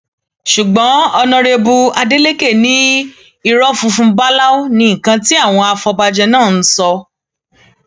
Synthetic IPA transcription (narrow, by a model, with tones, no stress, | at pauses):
ʃu˨ɡ͡bɔ̃˨˦ɔ˧nɔ̃˧ɾe˧bu˧a˧de˦le˦ke˦˨nĩ˦ | i˦˧ɾɔ˦fũ˧fũ˧˦ba˦la˦o˦nĩ˧ĩ˦˨kã˧ti˦a˦˨w̃ɔ̃˧a˧fɔ˧ba˧d͡ʒɛ˧nãː˦˨n̩˦sɔ˧